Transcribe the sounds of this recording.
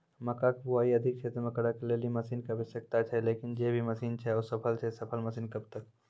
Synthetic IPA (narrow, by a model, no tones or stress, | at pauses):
mɐkaːkbuaːiɐd̪ʱɪk̚t͡ʃʰeːt̪ɾmɐkɽakelelimɐsiːnkɐbɪsɐk̚t̪at͡ʃʰɛleːkɪnd͡ʒeːbʱimɐsiːnt͡ʃʰɛɔːsɐpʰəlt͡ʃʰɛsɐpʰəlmɐsiːnkɐb̚t̪ək̚